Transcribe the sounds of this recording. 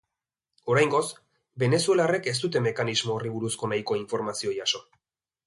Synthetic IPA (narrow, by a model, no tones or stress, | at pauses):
o̞ɾajŋɡo̞s | be̞ne̞sue̞lare̞ke̞s̬t̪ut̪e̞me̞kanizmo̞ːriβuɾusko̞najko̞iɱfo̞ɾmasio̞jaso̞